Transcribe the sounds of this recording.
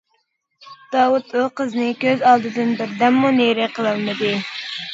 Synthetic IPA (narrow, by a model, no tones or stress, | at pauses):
d̪̥ɑːwut̪ʰuqəznɨkʲøzɑlˠd̪ɨd̪ɨnbɪɾd̪ɛmːuneɾɪqʰəlˠɨlˠmɨd̪ɨ